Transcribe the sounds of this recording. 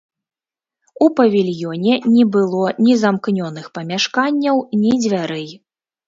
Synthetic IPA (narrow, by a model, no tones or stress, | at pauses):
upɐvʲilʲjɔnʲɛnʲɛbɨlˠɔnʲizamknʲɔnɨxpɐmʲaʂkanʲːɐwnʲid͡zʲvʲaɾɨj